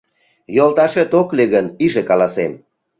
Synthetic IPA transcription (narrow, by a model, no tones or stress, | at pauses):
jolˠt̪ɑʃet̪okleɣəniʒekɑlɑsem